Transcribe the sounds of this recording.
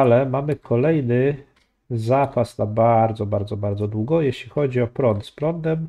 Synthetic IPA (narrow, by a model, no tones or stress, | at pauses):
alɛmamɘkʰɔlɛjnɘ | zapasnabaɾd̪zɔbaɾd̪zɔbaɾd̪zɔd̪wuɡɔjeɕlʲixɔd͡ʑiɔpɾɔnt̪spɾɔnd̪ɛm